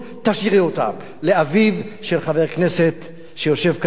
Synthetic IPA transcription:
t̪aʃiʁiot̪a̰m | leavivʃe̞lχave̞ʁkne̞set̪ | ʃejo̞ʃe̞vk

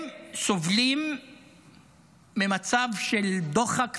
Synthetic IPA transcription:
so̞vlim | emat͡savʃeld̪oχak

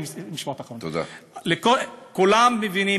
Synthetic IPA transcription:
msmiʃmoot̪aχont̪od̪a̰lekokulamːevini

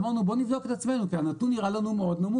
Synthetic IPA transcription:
maʁnubo̞nivd̪o̞ket̪at͡sme̞nukianat̪unːiʁalanumeo̞d̪namu

